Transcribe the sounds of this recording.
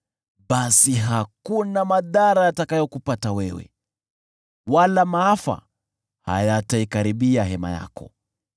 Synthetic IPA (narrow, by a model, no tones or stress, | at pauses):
ɓasiɦakunamaðaɾajatakajɔkupatawɛwɛ̰ | walamaafa̰ | ha̰jataikaɾiɓiaɦɛma̰ja̰kɔ